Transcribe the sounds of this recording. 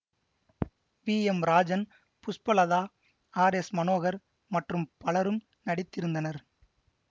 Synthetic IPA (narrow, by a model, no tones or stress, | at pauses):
ʋiːɛmɾaːd͡ʒɐn | pʊspɐlɐðaː | aːɾesmɐnoːɣɐɾ | mɐʈrɯmpɐɭɐɾɯm | nɐɽɪt̪ːɪɾɯnd̪ɐnɐɾ